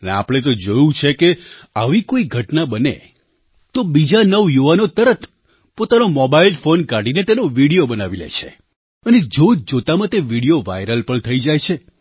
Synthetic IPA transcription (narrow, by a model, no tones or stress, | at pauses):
ənea̰pɽ̃et̪̬od͡ʒojũt͡ʃʰekeaʋikoiɡʱəʈnabənḛ | t̪obid͡ʒanəʋjuʋanot̪əɾət̪ʰ | pot̪anomɔbailfonkaɽinet̪enoʋiɽijobənaʋilḛt͡ʃʰḛ | əned͡ʒod͡ʒot̪amãt̪eʋiɽijoʋajɾəlpəɳt̪ʰəid͡ʒajt͡ʃʰe